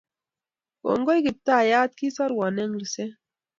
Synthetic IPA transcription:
wo̰˨ŋɡo˦jki˨p̚ta˦˨ja˦t̪̚ki˦sa˦ɾwa˨nɛ˦ŋli˨sɛ˦

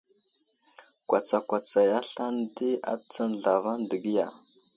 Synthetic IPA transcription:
kʷa˨t͡sa˨kʷa˨t͡sa˨ja˦ɬa˦ndi˦a̰˦t͡sə˦n˨ɮa˨va˦ndə˨ɡi˦ja˨

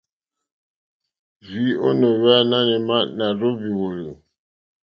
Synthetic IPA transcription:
vi˨˦o˦no˨wɛ˦na˦nɛ˨ma˦na˨ɾo˦bi˨wo˨lə˨

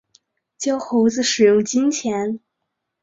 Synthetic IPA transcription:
t͡ɕjɑ˥ʊxo˧˥ʊd͡zɹ̩˥˧ʂɻ̩˨˩jʊ˥˧ŋt͡ɕi˥nt͡ɕʰjɛ˧˥n

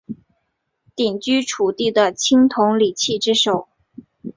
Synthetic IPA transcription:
t̪i˨˩ŋt͡ɕy˥ʈ͡ʂʰu˨˩t̪i˥˩d̪ə˩t͡ɕʰi˥ŋt̪ʰʊ˧˥ŋli˨˩t͡ɕʰi˥˩ʈ͡ʂɻ̩˥ʂo˨˩˦ʊ

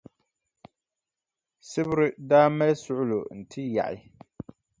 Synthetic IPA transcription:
sɪ˦bʊ˦ɾɪ˦daː˦mɛ˦lsʊ˦ʔʊ˦lʊ̰˨n̩˨tʰɪ˦ja̰˨ʔɪ̰˦

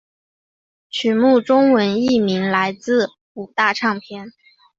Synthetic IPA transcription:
t͡ɕʰy˨˩mu˥˩ʈ͡ʂʊ˥ŋwə˧˥ni˥˩mi˧˥ŋla˧˥ɪt͡sɹ̩˥˩ | u˨˩t̪a˥˧ʈ͡ʂʰɑ˥˩ŋpʰjɛ˥˩n

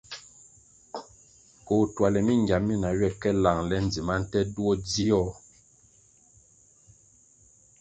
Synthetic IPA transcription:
ko˨twa˨lɛ˨mi˦˨ŋɡja˨mːi˦na˨ɥwɛ˦˨kɛ˦la˨ŋlɛ˦n˨d͡zi˨ma˦n̩˦tɛ˦du˦ɔ˦di˦jɔ˦

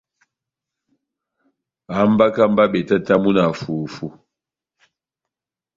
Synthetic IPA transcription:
a˨˦m̩˦ba˦ka˦m̩˦ba˦ɓe˨ta˦ta˦mu˦na˨fu˨fu˦

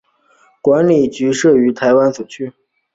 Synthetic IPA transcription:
kwa˧˥nli˨˩t͡ɕy˧˥ʂɤ˥˩y˧˥t̪ʰa˧˥ɪwa˥nt͡su˨˩t͡ɕʰy˥˩

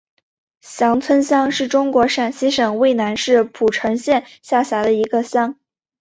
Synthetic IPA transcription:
ɕjɑ˧˥ŋt͡sʰwə˥nɕjɑ˥ŋʂɻ̩˥˩ʈ͡ʂʊ˥ŋkwɔ˧˥ʂa˥˩nɕi˥ʂɤ˨˩ŋwe˥˩ɪna˧˥nʂɻ̩˥˩pʰu˨˩ʈ͡ʂʰɤ˧˥ŋɕjɛ˥˧nɕja˥˩ɕja˧˥d̪ə˧i˧˥ɡə˧ɕjɑ˥ŋ

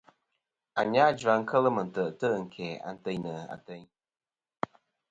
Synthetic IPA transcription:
a˨ɲa˦d͡ʒa˨ŋ̩˦kə˦lə˦mə˨n̩˨tə˨ʔtə˦˨ŋ̩˨kʰɛ˨a̰˨n̩˦tə˦ɲnə˨a̰˨tə˦ɲ

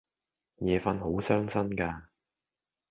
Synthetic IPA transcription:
jɛː˨˧fɐ˧nho˨˥wsœː˥ŋsɐ˥nkaː˧

